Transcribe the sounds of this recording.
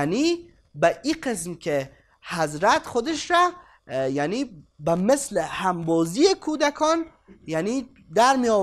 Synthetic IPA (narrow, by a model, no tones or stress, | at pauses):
ni | baʔiqɪs̬mkʰe | hazɾat̪xʊd̪eʃɾa | janibamɪslehambɔːzijekʰoːd̪akʰɔn | jani | d̪aɾmiɔ